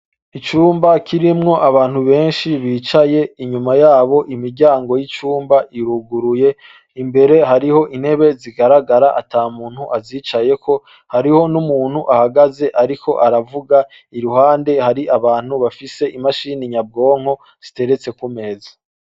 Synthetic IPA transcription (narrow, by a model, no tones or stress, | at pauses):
it͡ʃuːmbakʰiɾimŋo̞ʔaβaːn̥huβe̞ːnʃiβiːt͡ʃaje̞iɲumajaːβo̞ʔimiɾɟaːŋɡo̞jit͡ʃuːmbaʔiɾuɡuɾuje̞ | imbe̞ɾe̞ɦaɾiho̞ʔin̥he̞βe̞ziɡaɾaɡaɾaʔataːmuːn̥huʔaziːt͡ʃaje̞kʰo̞ | haɾiho̞numuːn̥huʔahaɡaze̞ʔaɾikʰo̞̰ʔaɾavuɡa | iɾuɦaːnde̞haɾiʔaβaːn̥huβafise̞ʔimaʃiniɲab̚ɡo̞ːŋ̥ho̞ | z̥ite̞ɾe̞t͡se̞kume̞ːza